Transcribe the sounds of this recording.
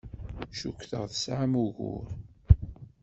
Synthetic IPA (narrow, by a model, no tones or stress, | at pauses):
ʃukʷːθəʁðəsʕamuɣʊ̰ɾ